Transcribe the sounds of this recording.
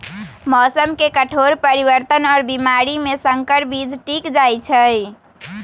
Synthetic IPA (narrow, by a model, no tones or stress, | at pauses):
mɔːsəmkekəʈʰoɾpəɾibəɾt̪ənɔːɾbimaɾimesəŋkəɾbid͡ʒʈikd͡ʒajt͡ʃʰəj